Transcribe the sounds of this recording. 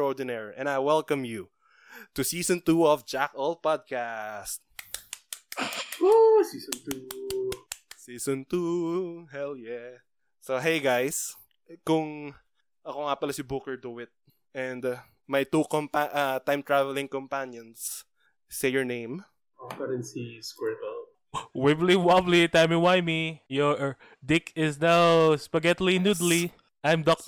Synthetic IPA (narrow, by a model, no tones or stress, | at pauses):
od̪ɪnɛɹʔɛ̰̃nd̪ajwɛlkɐ̃mju | t̪ʊsiːsɔ̃nt̪uɔvd͡ʒakʔɔlpad̪̚kast̪̚ | osiːsɔnt̪u | siːsɔ̃nt̪uhɛljɛ | soɦejɡajs | kʊŋ | ʔɐkoŋapɐlɐsɪbukɛɹd̪uwɪt̪̚ | ɛnd̪ | mɐjt̪ukɔmpaʔat̪ãjmt̪ɹavɛlɪŋkɔmpanjɔnsː | ejɔɹnẽjm | opɐɾɪnsiskɛɹt̪ɛl | wɪbliwablit̪ajmɪwajmijo | d̪ɪkɪsnawspɐɡɛt̪linud̪li | ʔajmd̪ɔk̚